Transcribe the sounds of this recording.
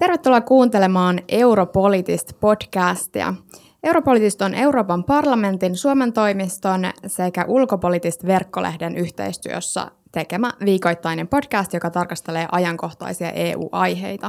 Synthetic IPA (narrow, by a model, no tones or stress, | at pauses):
t̪e̞rʋe̞t̪ːulːɑkuːnt̪e̞lemɑːne̞wɾopo̞lit̪ist̪po̞dkæːst̪iɑ̰ | e̞wɾo̞po̞lit̪ist̪o̞nʔe̞wɾo̞ːpɑmpɑrlɑme̞nt̪insuome̞nt̪o̞jmist̪o̞nse̞kæʔulko̞po̞lit̪ist̪ʋe̞rkːo̞lʔehde̞nyçt̪ḛjst̪yø̰sːæ̰ | t̪e̞kemæʋiːko̞jt̪ːɑjne̞mpo̞d̥kæːst̪jokɑt̪ɑrkɑst̪e̞le̞ːʔɑjɑŋko̞xt̪ɑ̰jsiɑ̰ʔe̞ːṵːʔɑjɦe̞̰jt̪ɑ